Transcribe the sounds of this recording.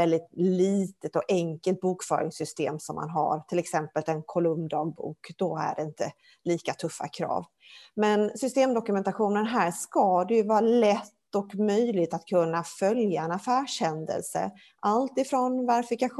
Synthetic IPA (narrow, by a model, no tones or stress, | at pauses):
ɛld̪ɪt̪̚liːt̪ət̪ɔɛŋkəlt̪̚buːkfœ̰ːɾɪ̰ŋsʏst̪ḛːmsɔmːʔa̰nɦa̰ɾt̪ʰɪlɛksɛmpəlɛnkʰɔlɵmd̪ɑːɡ̚bṵːkd̪̥ɔæ̰ɖɛɪnt̪ə | liːkat̪ʰɵfːa̰kʰɾɑ̰ːv | mɛnsʏst̪eːmd̪ɔkɵmɛnt̪aɧuːnənɦæːʂkɑd̪ɛjɵvɑːɾalɛt̪ːɔkmœjlɪt̪at̪kʰɵnːafœljaɛnafæːʂhɛnd̪ə̰lsə̰ | ʔalt̪ɪfɾɔnvaɾɪfɪkaɧ